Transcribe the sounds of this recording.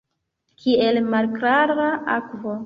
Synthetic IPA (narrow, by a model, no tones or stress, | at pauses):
kʰielmalkɾaɾaʔakvo̞